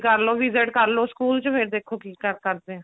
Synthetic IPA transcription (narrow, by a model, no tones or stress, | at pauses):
kəɾloːʋɪzeʈkəɾloːskuːlt͡ʃpʰɪɾd̪eːkʰːoːkiːkəɾkəɾd̪e